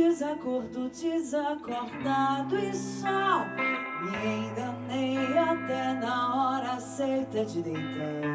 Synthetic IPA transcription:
ɪzakoɾd̪ʊd͡ʒizakoɾd̪ad̪ʊɪsɔ | iẽĩd̪ɐ̃nẽj̃at̪ɛnɐɔɾɐsejt̪ɐd͡ʒɪd̪ẽnt̪ɾa

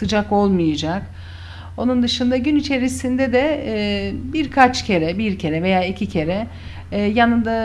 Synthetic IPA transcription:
sɯd͡ʒako̞lˠmɯjad͡ʒak | o̞nund̪ɯʃɯnd̪aɟynit͡ʃʰe̞ɾisind̪ɛd̪ɛ | biɾkʰat͡ʃcʰe̞ɾɛbiɾcʰe̞ɾɛve̞jaːicʰicʰe̞ɾɛ | janɯnd̪a

